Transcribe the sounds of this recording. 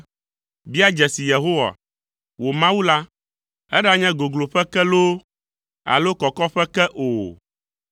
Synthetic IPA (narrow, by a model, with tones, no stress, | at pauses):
bi˦a˦d͡ʒɛ˨si˨je˨ɦo˦wa̰˨ | wo˨mã˦wu˦la˦ | ɛ˦ɖa˦ɲɛ̃˦ɡo˨ɡlo˨ɸɛ˦kɛ˦lo˦ | a̰˨lo˦kɔ˨kɔ˦ɸɛ˦kɛ˦ʔo˨